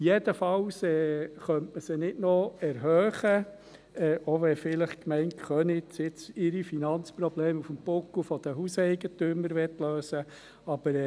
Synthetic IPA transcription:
jɛd̥̪əfɑwsɛːχœntməsənɪdnoɛɾɦœːχə | ɛːʔoʋɛfɪləχkmɛɪntχœnɪt͡sɪt͡sɪɾifinɑnt͡spɾɔbleːmufəmpʊkufɔd̥̪əɦusɛɪɡətyməɾʋɛtløːsə | ɑb̥əɾ

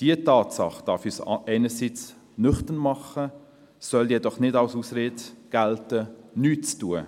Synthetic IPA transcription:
d̥iətɑːtsɑ̰χd̥ɑɾfyːsʔɛɪnəsit͡s | nʏχtənmɑχə | sœljɛdɔχnɪdɑwsuːsɾeːtɡ̥æltənyːtt͡stuə

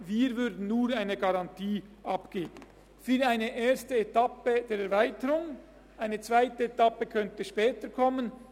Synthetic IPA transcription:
viːɾvʏɾdn̩nuːɾaɪnəɡɑʁɑntʰiːʔɑpɡ̥eːb̥ən̩ | fyːɾaɪnəʔeːɐstəetɑpəd̥eːɾɛɾvaɪtəʁʊŋ | ʔaɪnət͡sv̥aɪtəetɑpəkʰœntəʃpɛːtəkʰɔmən

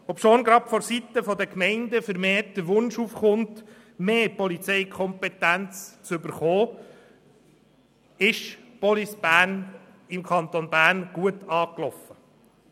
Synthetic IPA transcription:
ɔpʃonɡɾɑpfɔɾsit̪əfɔd̪əkmɛɪnd̪əfəɾmeːt̚d̪̥əɾʋʊnʃuːfχʊnt | meːpɔlit͡sɛɪkʰɔmpɛt̪ænt͡st͡sʏbəɾχoː | ɪʃpɔlisb̥æːɾn | ɪmkʰχɑnt̪onbæːɾnɡ̥uətɑːklɔfə

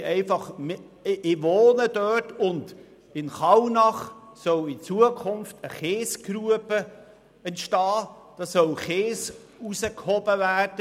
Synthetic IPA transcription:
ʔɛɪfɑχm | ʔɪʋoːnədœrtʊnd | ɪnχɑwnɑχsœwit͡suəkʰʊnftəχeːskɾuəbə | ɛntʃtɑː | d̥ɑːsœwχeːs | usəkhɔb̥əvæːrd̥ə

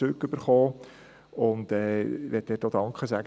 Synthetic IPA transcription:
ʏkːʏb̥əɾχoː | ʊndɛːʋɛt̚dɛːtod̥ɑŋkχəsæɡ

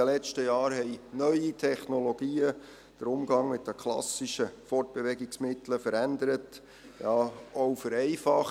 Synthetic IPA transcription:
əlɛt͡ʃtəjɑːɾɦɛɪnœʏitʰɛχnoloɡ̥iːə | d̥əɾʊmɡɑŋmɪt̚d̥̪əkʰlɑ̰siʃəfɔrt̚b̥eʋɛɡɪksmɪt̪ləfəɾænd̪əɾət | jɑːowfəɾɛɪfɑχ

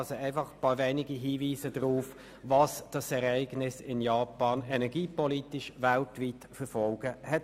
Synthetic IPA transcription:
soɛɪfɑχpɑːvɛːnɪɡiɦiːviːsəd̥ʁuːf | vɑsd̥ɑsɛʁɛɪɡnɪsɪnjɑːpɑːnɛnɛɡiːpɔlitɪʃvæltviːtfəfɔlɡ̥əhɛt

